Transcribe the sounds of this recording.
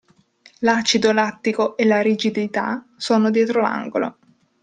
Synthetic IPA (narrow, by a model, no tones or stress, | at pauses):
lat͡ʃid̪olat̪ːikoʔelaɾid͡ʒid̪it̪a | soːnod̪jɛːt̪ɾola̰ŋɡolo̰